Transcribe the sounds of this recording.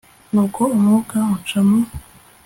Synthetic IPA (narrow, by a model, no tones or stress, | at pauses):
nokʰomokaot͡ʃamu